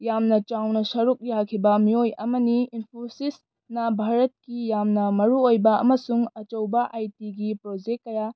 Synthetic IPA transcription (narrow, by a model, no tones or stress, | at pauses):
jamnɐt͡ʃawnɐsɐɾuk̚jakʰibɐmiojɐmɐniinpʰosis | nɐbʱaɾɐt̚kijamnɐmɐɾuojbɐɐ̰mɐsuŋɐt͡ʃɐwbɐʔajtiɡipɾod͡ʒek̚kːɐja